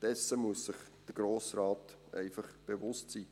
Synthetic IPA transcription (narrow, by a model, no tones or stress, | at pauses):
d̥ɛsəmuəsːɪχd̥əɡ̥roːsrɑːt | ʔɛ̰ɪfəχb̥evʊstsiː